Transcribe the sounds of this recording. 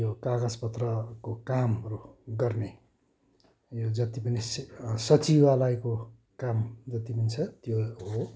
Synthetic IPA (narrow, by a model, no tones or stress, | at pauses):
jokaɡʌd͡zpʌt̪rʌkokamɾuɡʌrne | jod͡zʌt̪ipʌnissʌt͡sibalʌjko | kamd͡zʌt̪ipʌnit͡sʰʌt̪joɦo